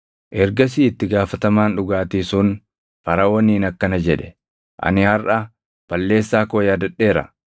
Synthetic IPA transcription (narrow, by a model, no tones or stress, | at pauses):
ʔɛɾɡɐs̬iːɪt̪ːɪɡaːfɐt̪ɐmaːnᶑʊɡaːt̪isʊn | fɐɾɐwɔnːiːnɐkːɐnɐd͡ʒɛᶑɛ̥ | ʔɐ̰nɪhɐrʔɐ | b̥ɐlːe̞ːsːaːkoːjaːd̪ɐᶑːe̞ːɾɐ̰